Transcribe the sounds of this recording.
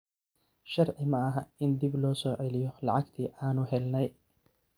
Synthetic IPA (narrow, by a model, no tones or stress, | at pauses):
ʃɑrʕɪmɐɐɦɐɪnd̪iblɔːsɔːʕɛlɪjɔlɐʕɑɡt̪ʰiːʔaːnʊɦɛlnɛj